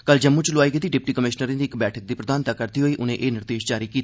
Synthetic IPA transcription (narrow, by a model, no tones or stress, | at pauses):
kəld͡ʒəmːũːt͡ʃlʊaːiːɡɪt̪iːɖɪp̚ʈiːkəmɪʃnəɾẽːd̪iːkbɛːʈʰək̚d̪iːpɾəd̪aːnt̪aːkəɾd̪iːɦoːiːʔʊnẽʔeːnɪɾd̪eːʃd͡ʒaːɾiːkiːt̪ː